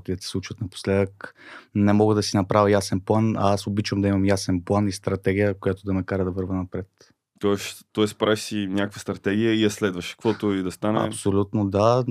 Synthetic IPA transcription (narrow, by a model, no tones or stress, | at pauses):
t̪id̪ɐsɛ̥slˠut͡ʃvət̪nɐpo̥slɛd̪əknɛmɔɡəd̪ɐsinɐpɾavʲəjasɛnplˠana̰asobit͡ʃvəmd̪ɐimɐmjasɛnplˠanist̪ɾɐt̪ɛɡ̟ʲijəkojat̪ʊd̪ɐnɐkaɾəd̪ɐvɤɾvənɐpɾɛt̪ | t̪ɔɛst̪ːɔɛspɾaiʃsinʲakəkvəst̪ɾɐt̪ɛɡʲijəiɐslɛd̪vəʃkvɔt̪oid̪ɐst̪anɛ̰psolʲut̪nod̪a